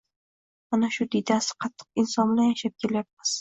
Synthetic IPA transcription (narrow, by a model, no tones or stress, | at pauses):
manaʃʊd̪id̪asɪ̥qʰɑt̪ʰːɨ̥q̚ɪnsɒnblajaʃap̚kʲʰe̞ljap̚mɪz̥